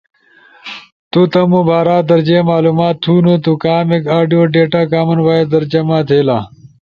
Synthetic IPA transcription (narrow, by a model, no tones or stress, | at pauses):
t̪ut̪ɐmũbaːɾaːd̪ɐɾd͡ʑeːmaːluːmaːt̪ʰːunut̪ukaːmekaːɖijoːɖeːʈaːkaːmɐnwaːjed̪ɐɾd͡ʑɐmaːt̪ʰeːlaː